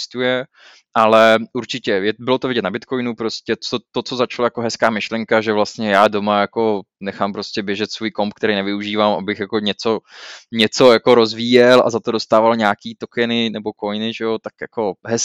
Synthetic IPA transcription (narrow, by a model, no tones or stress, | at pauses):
st̪ujɛ | ʔalɛuɾt͡ʃɪcɛjɛbɪlo̞t̪ovɪɟɛt̪nabɪt̪kojnupɾoscɛt͡sot̪ot͡so̞zat͡ʃalajakoɦɛskaːmɪʃlɛŋkaʒɛvlast̪ɲɛjaːdo̞majako̞ | nɛxaːmpɾoscɛbjɛʒɛt̪svuːjkompkt̪ɛɾɛjnɛvɪuʒiːvamʔabɪxjakoɲɛt͡so̞ɲɛt͡so̞jako̞ɾo̞zviːjɛlʔa̰zat̪o̞dost̪aːvalɲaːkiːt̪okɛnɪnɛbo̞ko̞jnɪʒɛjot̪akja̰ko̞ɦɛs